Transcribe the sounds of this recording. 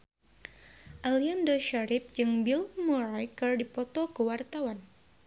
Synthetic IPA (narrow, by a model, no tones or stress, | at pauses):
ʔaliandɔʃaɾip̚d͡ʒɨŋbilmuɾajkərdipɔt̪ɔkəwart̪awan